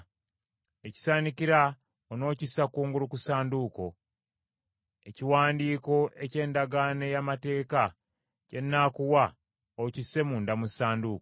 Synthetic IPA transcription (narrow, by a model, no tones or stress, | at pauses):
e̞ci̥saːniciɾa | ono̞ːcisːakuːŋɡulukusaːnduko̞ | e̞ciwaːndiːko̞ʔe̞ce̞ːndaɡane̞jamate̞ːka | ce̞nːakuwa | ocisːe̞muːndamusaːnduko